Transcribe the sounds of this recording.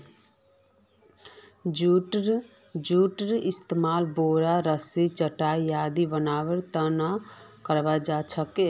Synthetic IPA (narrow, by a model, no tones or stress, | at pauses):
ʈɾ | d͡ʒuʈɾist̪emaːlboːɾaɾəsit͡ʃəʈaːijaːd̪ibənaːwəɾt̪ənakəɾbad͡ʒat͡ʃʰəke